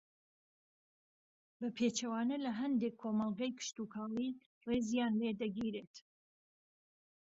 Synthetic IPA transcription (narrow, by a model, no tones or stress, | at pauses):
bɐpʰeːt͡ʃɐwaːnɐlɐɦɐnd̪ekʰːoːmɑlˠɡɐjkʰɨ̥ʃt̪ukʰɑːli | rezjaːnled̪ɐɡiɾeːt̪